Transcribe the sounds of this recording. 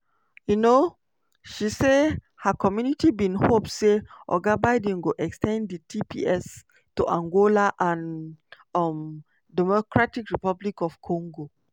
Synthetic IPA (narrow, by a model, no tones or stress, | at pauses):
juno | ʃise | hakɔmjunitibĩnhop̚seʔɔ̰ɡabaɪdĩŋɡoʔɛkstɛ̃ndətʰipḭɛs | tuʔãŋɡolaʔãn | ɔm | dɛmɔkɹatikɹipablikɔfkʰɔ̃ŋɡo